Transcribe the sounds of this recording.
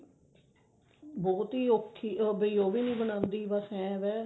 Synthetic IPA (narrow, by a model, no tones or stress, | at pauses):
bɔːt̪iːoːkʰːiːbeoːʋiːnĩːbənãːnd̪iːbəsɦɛ̃ːʋɛː